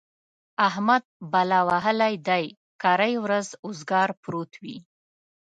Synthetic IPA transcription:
ahmad̪̚balɑwaɦəlajd̪aj | kɑɾajwɾazʊzɡɑɾpɾot̪wi

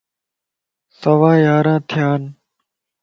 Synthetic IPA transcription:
səʋaːjaːɾãːt̪ʰɪjaːn

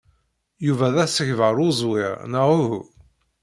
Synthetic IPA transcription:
juvæðæsəçvəɾˤʊzˤwiɾnəʁʊhṵ

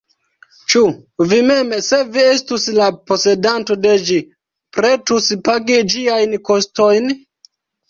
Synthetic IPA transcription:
t͡ʃuvime̞mse̞viestuslapo̞se̞danto̞de̞d͡ʒi | pɾetuspaɡid͡ʒiajnko̞sto̞jn

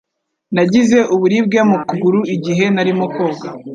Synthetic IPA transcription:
naɟize̞ʔuβuɾiːb̚ɡamukuɡuɾuiɟiɦe̞naɾimokoːɡa

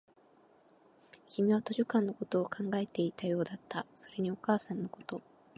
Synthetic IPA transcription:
kʲimʲiβat̪o̞ʑokãnːo̞ko̞t̪o̞ːkʰãŋɡae̞t̪e̞it̪ajo̞ːd̪at̪ːaso̞ɾe̞ɲ̟io̞kaːsãnːo̞ko̞̥t̪o̞

